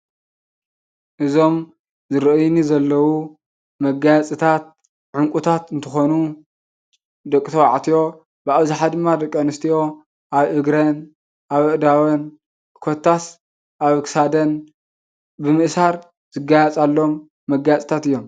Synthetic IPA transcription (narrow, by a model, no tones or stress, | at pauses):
ʔɨzo̞m | zɨɾɨʔɨjnizɐlːɐwu | mɐɡajat͡sʼɨt̪ʰat̪̚ | ʕʊŋkʷʼut̪ʰat̪ɨnt̪ʰɨxo̞nu | d̪ɐkʼːt̪ʰɐwa̰ʕt̪ʰijo̞ | bɨaβzɪħad̪ɨmːad̪ɐkʼːɐnɨst̪ʰio̞ | ʔaβʔɨɡɾɐn | ʔaβɨʔd̪awɐn | kʰot̪ʰːas | ʔaβkʰsad̪ɐn | bɨmɨʔsaɾ | zɨɡajat͡sʼalːo̞mː | ɐɡːajat͡sʼɨ̥t̪ʰat̪ɨjːo̞m